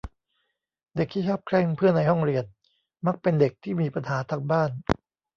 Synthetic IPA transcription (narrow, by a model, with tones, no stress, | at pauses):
de˨˩k̚t̪ʰiː˥˩ɔː˥˩p̚kʰɾɛː˥˩ŋpʰɯ˥˩əna˧jhɔ˥˩ŋɾi˧ən | ma˦˥˩k̚pe˧nde˨˩k̚t̪ʰiː˥˩miː˧pa˧nhaː˩˦t̪ʰaː˧ŋbaː˥˩n